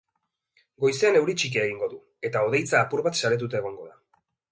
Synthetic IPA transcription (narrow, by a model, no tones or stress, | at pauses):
ɡo̞jse̞ane̞wɾit͡ʃik̬eːɣ̞iŋɡo̞ðu | e̞t̪ao̞ð̞e̞jt͡saːpuɾβat̪saɾe̞t̪̬ut̪̬eːɣ̞o̞ŋɡo̞ða